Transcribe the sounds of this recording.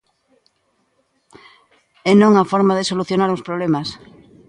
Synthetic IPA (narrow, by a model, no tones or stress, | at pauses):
enõŋafɔɾmaðesoluθjonaɾospɾoβlemas